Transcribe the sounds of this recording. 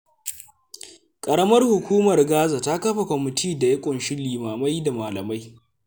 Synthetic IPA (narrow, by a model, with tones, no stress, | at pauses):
kʼɐ˨ɽɐ˦mɐ˦rhʊ˨kʷuː˦mɐ˨rɡaː˦za˨ta˦kɐ˦ɸa˨kʷɔ˨mɪ˨tʰiː˦da˨jɐ˦kʷʼʊ˨nʃɪ˦lːiː˨maː˨ma˦jda˨maː˨lɐ˨ma˦j